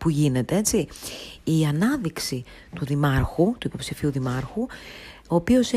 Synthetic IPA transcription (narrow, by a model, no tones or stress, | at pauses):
puʝine̞t̪e̞e̞t͡siː | ɐnɐðiksi | t̪uðimɐɾxut̪uipo̞psifiuðimɐɾxuo̞ːpio̞s